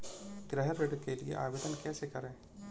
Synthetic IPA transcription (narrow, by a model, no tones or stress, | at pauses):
ɡɾɛɦəɾːeɖkeliḛʔa̰ːʋed̪ənkɛːsekɐɾɛ̃ː